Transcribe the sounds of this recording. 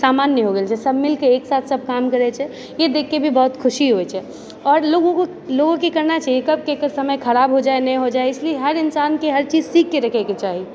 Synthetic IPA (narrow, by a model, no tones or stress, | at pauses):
saːmaːnːjəɦoɡelt͡ʃʰɛsɐbʱmɪlkeeːksaːt̪ʰsɐb̚kaːmkɐɾɛt͡ʃʰɛ | jed̪eːkʰːebʱibɔɦʊt̪kʰʊʃiɦoet͡ʃʰɛ | ɔːɾloɡõko | loɡõkikɐɾnat͡ʃaːɦiekɐb̚kekəsɐməjkʰɐɾaːbʱɦod͡ʒaːenɐj̃ɦod͡ʒaːeɪslieɦɐɾɪnsaːnkeɦɐɾt͡ʃiːzsiːkːeɾɐkʰɛket͡ʃaːɦi